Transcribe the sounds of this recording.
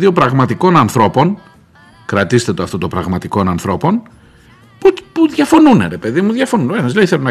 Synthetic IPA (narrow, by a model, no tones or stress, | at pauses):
io̞pɾɐɣmɐt̪iko̞nɐnθɾo̞po̞n | kɾɐt̪ist̪e̞t̪oɐft̪o̞t̪o̞pɾɐɣmɐt̪iko̞nɐnθɾo̞po̞n | pupuðʝɐfo̞nunḛɾe̞pe̞ðimuðʝɐfo̞nunenɐzleiθelunɐ